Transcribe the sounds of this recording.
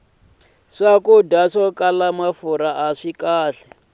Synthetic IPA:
ʂakudaʂɔkʼalamafuɾaʔaʂikaːɬɛ

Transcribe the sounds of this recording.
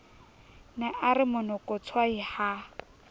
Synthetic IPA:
nɛʔaɾɪmʊnɔkʊt͡sʰwaiha

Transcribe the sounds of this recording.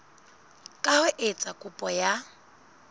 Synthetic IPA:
kʼahʊʔet͡sʼakʼʊpʼɔja

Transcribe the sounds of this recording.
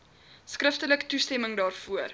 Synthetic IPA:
skrəftələktustɛməŋdɑːrfuər

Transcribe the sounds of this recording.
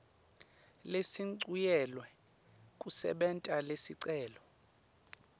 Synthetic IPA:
lesiǀujɛlwɛ | kʼusɛ̰ɓɛntʼalesiǀɛːlɔ

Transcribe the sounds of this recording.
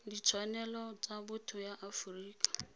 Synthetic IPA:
dit͡sʰwanɛlɔt͡sabʊtʰʊjaʔafuriːkʰʼḁ

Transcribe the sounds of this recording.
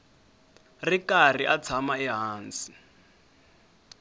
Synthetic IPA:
rikariʔat͡sʰamaɛɦaːnt͡si̥

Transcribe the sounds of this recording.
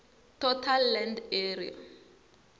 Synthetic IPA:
tʰɔtʰalːɛndeɾḭa̰

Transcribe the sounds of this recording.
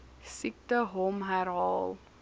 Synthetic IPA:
sik̚təɦɔmɦæɾɦɑːlˠ

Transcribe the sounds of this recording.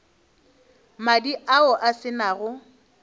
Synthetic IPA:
madiʔaʊʔasɪnaːɣʊ

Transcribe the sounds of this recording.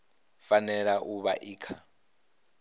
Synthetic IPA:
fanɛɺaʔuβa̰ʔiːkʰa

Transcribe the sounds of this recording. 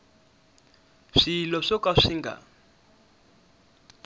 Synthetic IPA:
ʂilɔʂɔkʼaʂiŋɡʱa̰

